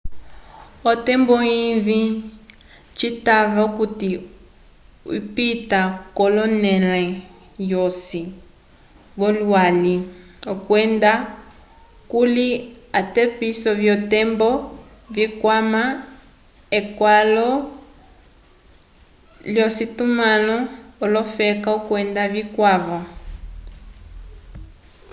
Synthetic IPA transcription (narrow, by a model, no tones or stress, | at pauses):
ɔtɛmbɔivi | t͡ʃitaβakuti | ḭpitakɔlɔnɛlɛ | jɔsi | βɔlwali | ɔkwɛnda | kuliatɛpisɔvjɔtɛmbɔ | vikwama | ekwalɔ | ljɔsitumalɔːlɔfɛkaukwɛndaβikwaβa